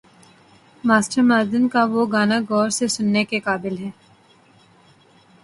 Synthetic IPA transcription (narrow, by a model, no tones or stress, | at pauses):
maːsʈəɾmaːd̪ənkaʋoɡaːnaɡɔːɾsesʊnːekekaːbɪlɦɛː